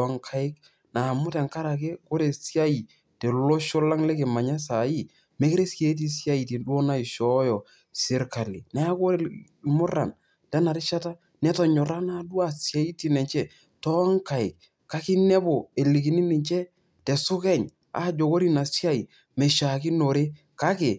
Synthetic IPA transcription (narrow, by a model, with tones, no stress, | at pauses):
ŋkʰa˨ɪ˦k | na˨mʊ˦tɛ˨ŋka˦ɾa˨k̬e˦ko˦ɾe˨sja˦i˨ | tɛ˨lo˦ʃɔ˦la˦ŋlɛ˦kɪ˨ma˨ɲa˦s̬a˨ji˦ | me˦ke˦ɾe˦ske˦t̬i˦sja˦i˨ti˨ndu˦o˦na˦i˨ʃɔ˦jɔ˨ | sɪ˦ɾka˨li˨na˦a˦ko˦˨ | mʊ˦ra̰˨n | ta˦na˨ɾɪ˦ʃa˦ta˦ | nɛ˦tɔ˨ɲɔ˨ɾa˦na˦du˦a˦˨sja˦i˦ti˦˨nɛ˨ɲt͡ʃɛ˦ | tɔ˦ŋka˨ɪ̰˨k̚ | ka˦kɪ˦nɛ˦bo˨e˨li˨ki˨ni˦nɪ˨ɲt͡ʃɛ˦ | tɛ˨sʊ˦kɛ˦˨ɲ | a̰˦d͡ʒo˨ko˦ɾi˦na˨si˦a˦i˨ | mɛ˨ʃa˨kɪ˦no˨ɾe˦ | ka˦kɪ˨